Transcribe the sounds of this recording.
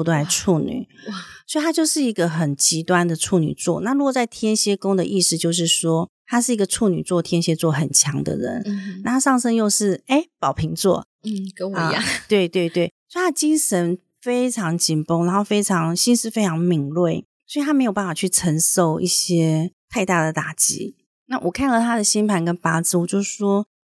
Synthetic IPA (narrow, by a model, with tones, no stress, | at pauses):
t̪o˥˩a˧ʈ͡ʂʰu˥˩ny̰˨˩˦swɔ˥˧˥i˨˩t̪ʰa˥t͡ɕjo˥˧ʊʂɻ̩˥˩i˧˥ɡə˧xə˨˩nt͡ɕi˧˥t̪wa˥nd̪ə˨ʈ͡ʂʰu˥˩ny̰˨˩t͡swɔ̰˥˨na˥˩ɻu˧˥kwɔ˨˩t͡sa˥˩ɪt̪ʰjɛ˥nɕjɛ˥kʊ˥ŋd̪ə̰˨ʔi˥˧ʂɻ̩˥˧t͡ɕjo˥˧ʊʂ̬ɻ̩˥˩ʂwɔ˥ | t̪ʰa˥ʂ̬ɻ̩˥˩i˧˥ɡə˨˧ʈ͡ʂʰu˥˩ny̰˨˩t͡swɔ˥˩t̪ʰjɛ˥nɕjɛ˧˥t͡swɔ˥˩xə˨˩nt͡ɕʰjɑ˧˥˦ŋd̪ə̰˨ɻə̰˧˦nna˥˧˩a˥ʂɑ˥˩ŋʂə˥ŋjo˥˧ʊʂɻ̩˥˩e˥˩ɪpɑ˨˩ʊpʰi˧˥ŋt͡swɔ̰˥˩˥ | t̪we˥˧ɪt̪we˥˧ɪt̪we˥˩ɪsswɔ˥i˨t̪ʰa˥ə˧t͡ɕi˥nʂə˧˦˥n | fe˥ɪʈ͡ʂʰɑ˧˥ŋt͡ɕi˨˩npʊ˥ŋɻa˧˥nxo˥˩ʊfe˥ɪʈ͡ʂʰɑ˧˥ŋɕi˥nʂɻ̩˥˩fe˥ɪʈ͡ʂʰɑ˧˥ŋmi˨˩ŋlwe˥˩ɪ | sɔ˧˥i˨t̪ʰa˥m˧˥jo˨˩ʊpa˥˩fa˨˩t͡ɕʰy˥˩ʈ͡ʂʰə˧˥ŋʂo˥˧ʊʔi˥˩ɕjɛ˥t̪ʰa˥ɪt̪a˥˩d̪ə˩t̪a˨˩t͡ɕḭ˧˥˦ | na˥˩wʔɔ˨˩kʰa˥˩nxɤ˧˥t̪ʰa˥d̪ə˨ɕi˥npʰa˧˥nkə˦npa˥t͡sɹ̩˥˩wɔ˨˩t͡ɕjo˥˧ʊʂ̩˥˩ʂwɔ˥